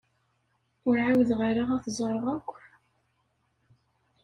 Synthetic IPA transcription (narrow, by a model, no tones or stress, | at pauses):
ʊɾʕawðʁəɾaʁæθzˤəɾˤʁækʷː